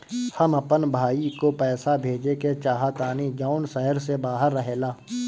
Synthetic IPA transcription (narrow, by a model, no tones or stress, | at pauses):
hɐmɐpənbʱaːikopɛːsabʱeːd͡ʒeket͡ʃaːɦat̪aːnid͡ʒaːʊnsɛɦəɾsebaːɦəɾːəɦeːlaː